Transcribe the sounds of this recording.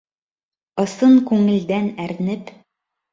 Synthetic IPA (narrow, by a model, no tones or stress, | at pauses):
ɤ̆sɤɴkʉŋɘ̆ld̪ænæɾnɘp